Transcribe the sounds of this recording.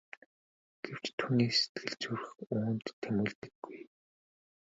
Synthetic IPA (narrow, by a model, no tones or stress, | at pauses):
ɡ̥ew̥t͡ɕt̪ʰuːniːse̥t̪̚ɡɘ̆ɮt͡sur̆xuːnt̪ʰːemɘ̆ːɮt̪ɘ̆ɡːuj